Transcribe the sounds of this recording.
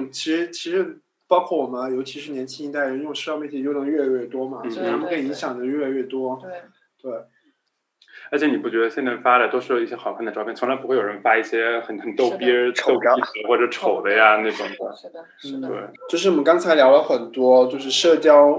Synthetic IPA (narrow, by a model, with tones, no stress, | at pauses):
t͡ɕʰi˧˥ʂɻ̩˧˥t͡ɕʰi˧˥ʂɻ̩˧˥ | pɑ˥ʊkʰwɔ˥˩wɔ˨˩mə˦jo˧˥ʊt͡ɕʰi˧˥ʂɻ̩˧˥˧njɛ˧˥nt͡ɕʰi˥i˧˥t̪a˥˩˨ɻə˧˥njʊ˥˧ʂ̩˥˧˥mjɛ˥˩t͡ɕʰɛ˥˩jnɤ˧˥ŋɥɛ˥˧lɥɛ˥˩t̪wɔ˥mɐ˨˧˥ɻ̩ʰ˧˥˧ə˥kʰe˥i˨˩i˧˥ŋɕjɑ˨˩ŋd̪ə˦ɥɛ˥˩la˧ɥɛ˥˩t̪wɔ˥ | t̪we˥˩ɪ | ə˧˥t͡ɕʰjni˨˩pu˥˩t͡ɕɥɛ˧˥d̪ə˧ɕjɛ˥˧nt͡sɪfa˥la˧˩t̪wɔ˥ʂɻ̩˥jo˨˩i˥˩ɕjɛ˥xɑ˨˩ʊpʰnd̪ə˩ɑ˧˥pjɛ˥˩nt͡sʰla˧˥ɪpu˧˥xwe˥˩jo˨˩ɻnfa˥i˥˩ɕjɛ˥xə˨˩n˧˥t̪o˥˧ʊpɛ˥˧˥ʊ˥˩˧xwɔ˥˩ʈ͡ʂɤ˨˩ʈ͡ʂʰo˨˩ʊd̪ə˦ja˧ne˥˩ʈ͡ʂʊ˨˩ŋd̪ə˧˥˦ | n̩˥˩wḛ˥˩ɪt͡ɕjo˥˧ʊʂ̬ɻ̩˥˩wɔ˨˩mə˦ŋkɑ˥ŋt͡sʰa˧˥ɪljɑ˧˥ʊlə˧˥xə˨˩nt̪wɔ˥t͡ɕjo˥˧ʊʂ̬ɻ̩˥˧ʂɤ˥˩t͡ɕjɑ˥ʊ